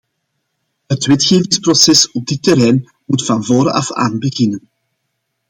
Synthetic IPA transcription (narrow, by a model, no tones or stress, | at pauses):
ɦətwɛtxeːvɪŋsprɔsɛsɔb̚dɪtːəɾɛjn | mutfɑnvɔːɾɑ̰fa̰ːnbəɣɪnən